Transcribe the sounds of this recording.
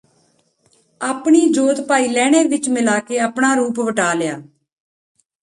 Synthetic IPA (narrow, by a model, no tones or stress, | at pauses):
aːpɳiːd͡ʒoːt̪paːiːlɛːɽ̃eːʋɪt͡ʃmɪlaːkeːəːpɳaːɾuːpʋəʈaːlɪjaː